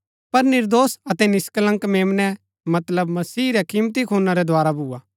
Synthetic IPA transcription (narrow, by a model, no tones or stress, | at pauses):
pɐɾnɪɾd̪oːsɐt̪ɛnɪsklə̃ŋkmeːmnɛ | mɐt̪ləbmɐsiːɾɛkiːmt̪ikʰõːnaɾɛd̪ʱoaːɾabʱuːaː